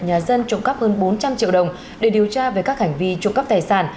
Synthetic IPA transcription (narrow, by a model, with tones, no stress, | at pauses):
ɲaː˨˩zə˧nt͡ɕʊ̰˧˨ŋ͡mkə˦˥p̚həː˧nɓo˨˦nt͡ɕa˧mt͡ɕḭ˧˨əwɗə˨˩wŋ͡m | ɗe˧˩ɗi˨˩əwt͡ɕaː˧ve˨˩kaː˦˥k̚hɛ˧˩jŋ̟vi˧t͡ɕʊ̰˧˨ŋ͡mkə˦˥p̚t̪aː˨˩jsaː˧˩n